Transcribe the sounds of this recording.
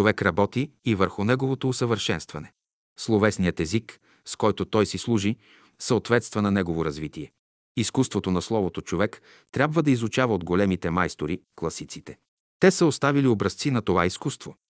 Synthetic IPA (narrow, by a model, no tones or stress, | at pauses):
ovɛkɾɐbɔt̪iːvəɾxʊnɛɡovot̪oːsəvəɾʃɛnst̪vɐnɛ | slˠovɛsnijət̪ɛzik | skɔjt̪ot̪ɔjsislˠuʒi | səot̪vɛt̪st̪vɐnɐnɛɡovoɾɐzvit̪iɛ | iskust̪vot̪onɐslˠɔvot̪ot͡ʃovɛk | t̪ɾʲabvəd̪ɐizut͡ʃavɐod̪ɡolɛmit̪ɛmajst̪oɾiklˠɐsit̪sit̪ɛ | t̪ɛsəost̪aviliobɾɐst̪sinɐt̪ovaiskust̪vo